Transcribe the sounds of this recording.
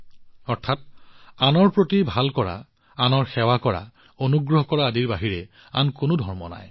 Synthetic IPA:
ɔɹtʰat̚anɔɹpɹotibʱalkɔɹa̰ | anɔɹxɛwakɔɹa̰ | onuɡɹɔɦɔkɔɹaadiɹbaɦiɹɛ | a̰nkʊnʊdʱɔɹmɔ̰na̰j

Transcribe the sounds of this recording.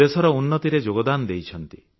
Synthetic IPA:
esɔɾɔunːɔt̪iɾed͡ʒoɡɔd̪and̪ejt͡ʃʰɔnt̪i

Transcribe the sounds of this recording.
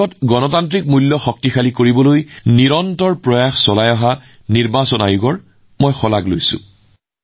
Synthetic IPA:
ɔtɡɔnɔtantɹik̚mulːɔxɔk̚tixalikoɹibɔlojniɹɔntɔɹpɹɔjaxsɔlajɔɦa | niɹbasɔna̰juɡɔɹ | mɔjxɔlaɡlojsʊ̰̃

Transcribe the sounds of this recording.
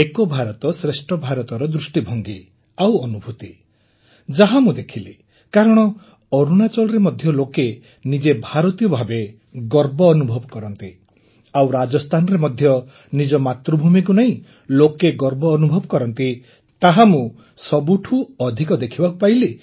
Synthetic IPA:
ekɔbʱaɾɔt̪ɔsɾesʈɔbʱaɾɔt̪ɔɾɔd̪ɾusʈibʱɔŋɡi | awɔnubʱut̪i | d͡ʒaɦamũd̪ekʰile | kaɾɔɽ̃ɔ | ɔɾunat͡ʃɔlɔɾemɔd̪ʱjɔloke | nid͡ʒebʱaɾɔt̪ijɔbʱabe | ɡɔɾbɔːnubʱɔbɔkɔɾɔnt̪i | awɾad͡ʒɔst̪ʰanɔɾemɔd̪ʱjɔ | nid͡ʒɔmat̪ɾɔbʱumikunaĩ | lokeɡɔɾbɔːnubʱɔbɔkɔɾɔnt̪i | t̪aɦamũ | sɔbuʈʰuɔd̪ʱikɔd̪ekʰibakupajle

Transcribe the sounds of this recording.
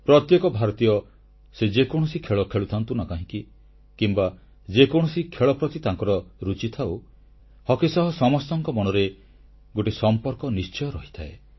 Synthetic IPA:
pɾɔt̪jekɔbʱaɾɔt̪ijɔ | sed͡ʒekɔɽ̃ɔsikʰeɭɔkʰeɭut̪ʰant̪unakaɦĩki | kimba | d͡ʒekɔɽ̃ɔsikʰeɭɔpɾɔt̪it̪aŋkɔɾɔɾut͡ʃit̪ʰaw | hɔkisɔɦɔsɔmɔst̪ɔŋkɔmɔñɔɾe | ɡoʈisɔmpɔɾkɔnist͡ʃɔjɔɾɔɦi̥t̪ʰae

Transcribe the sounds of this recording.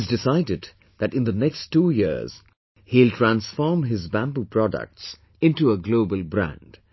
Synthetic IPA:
zdɪsaɪdɨd | ðætɪ̃nd̪ənɛkstːuːjɪɹz̥ | hiltʰɹæ̃nsfɔɹmɦɪzbæ̃mbupʰɹ̥ɔdə̰k̚ts | ɪ̃ntuəɡloʊbəlbɾæ̰̃nd̥

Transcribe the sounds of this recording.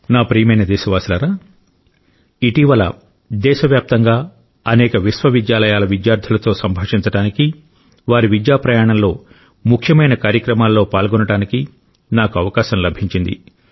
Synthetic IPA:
naːpɾiːjɐmɐjnɐd̪ɛːʃɐʋaːsilaːɾaː | iʈiʋɐlɐ̰ | d̪ɛːʃɐʋjaːp̚t̪ɐŋɡaː | ɐnɛːkɐʋisʋɐʋid̪jaːlɐjaːlɐʋid̪jaːɾd̪ʰʱulɐt̪o̞ːsɐmbʱɐːʂiɲt͡ʃɐɽaːniki | ʋaːɾiʋid̪jaːpɾɐjaːɳɐmlo̞ː | mukʰjɐmɐjnɐkaːɾjɐkɾɐmaːlːo̞ːpaːlɡɔnɐɽaːniki | naːkuɐʋɐkaːʃɐmlɐbʱiɲt͡ʃind̪ḭ

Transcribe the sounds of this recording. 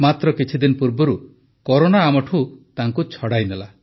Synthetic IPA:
mat̪ɾɔkit͡ʃʰid̪inɔpuɾbɔɾu | kɔɾonaːmɔʈʰut̪aŋkut͡ʃʰɔɽajnela

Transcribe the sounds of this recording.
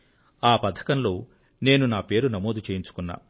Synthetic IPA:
aːpɐd̪ʰʱɐ̥kɐnlo̞ː | ne̞ːnunaːpe̞ːɾunɐmo̞ːd̪ʱut͡ʃeːjiɲt͡ʃu̥kunːa̰ː

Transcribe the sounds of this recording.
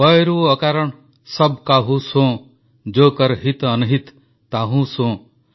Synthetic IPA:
bɔjɾuɔkaɾɔɳ | sʌbkaɦũsõ | d͡ʒoːkʌɾɦit̪ʌnuɦit̪ː | aɦũsõː

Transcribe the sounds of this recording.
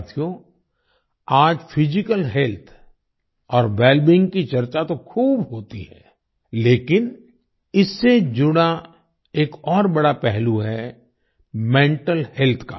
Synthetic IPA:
t̪ʰjo | aːd͡ʒpʰɪd͡ʒɪkəlɦɛlt̪ʰ | ɔːɾbɛːlbɪ̃ŋɡkit͡ʃɐɾt͡ʃat̪okʰuːbɦoːt̪ḭɦɛ̰ː | leːkɪn | ɪsːed͡ʒʊɽ̃a | eːkɔːɾbɐɽapɛɦluɦɛ | mẽːɳʈəlhelt̪ʰka̰

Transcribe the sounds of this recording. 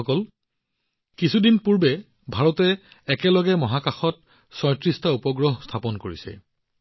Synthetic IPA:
ɔkɔl | kisʰudinpuɹbɛ | bʱaɹɔtɛː | kɛlɔɡɛmɔɦakaxɔt̚ | sɔjtɹistaupɔɡɹɔɦstʰapɔnkoɹisɛ̰

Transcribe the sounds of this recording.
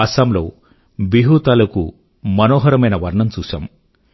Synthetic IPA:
ɐsɐmlo̰ː | biɦut̪ɐlɐkṵ | mɐnoːɦɐɾɐmɐjnɐʋɐɾɳɐmt͡ʃuːʃa̰ːm

